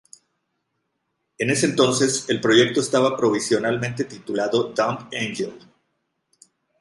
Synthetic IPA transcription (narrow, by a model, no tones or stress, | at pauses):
e̞ne̞sent̪o̞nse̞se̞lpɾo̞ʝe̞k̚t̪o̞est̪aβapɾo̞β̞isjo̞nalmẽnt̪et̪it̪ulaðo̞d̪ampenʝel